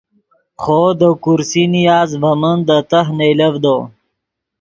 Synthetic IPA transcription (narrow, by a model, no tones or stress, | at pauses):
χod̪əkuɾsinijɑːzvɐmənd̪ət̪aɦnejləvd̪o